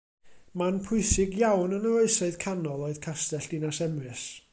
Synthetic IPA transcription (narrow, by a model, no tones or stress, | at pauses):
manpʰʊɨsɪɡjawnənəloɨsɔɨðkʰanɔlˠoɨð̥kʰastɛɬd̥ɪnasɛmrɨs